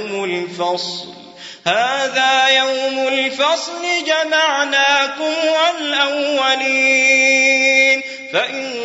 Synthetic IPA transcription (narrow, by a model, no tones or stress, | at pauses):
mʊlfɑsˤl | haːðaːjawmʊlfɑsˤlɪd͡ʒamaʕnaːkʊmʕalʔawːaliː | n | faʔɪn